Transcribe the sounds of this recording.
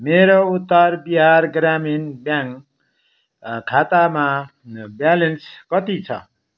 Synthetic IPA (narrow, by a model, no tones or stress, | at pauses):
meɾout̪ːʌrbiɦarɡraminbjaŋ | kʰat̪amabjalenskʌt̪it͡sʰʌ̰